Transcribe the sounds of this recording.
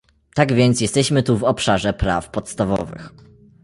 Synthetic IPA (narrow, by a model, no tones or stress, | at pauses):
t̪aɡvʲjɛnt̪sjɛst̪ɛɕmɘt̪uvɔpʂaʐɛpɾa̰fpɔt̪st̪avɔ̰vɘ̰x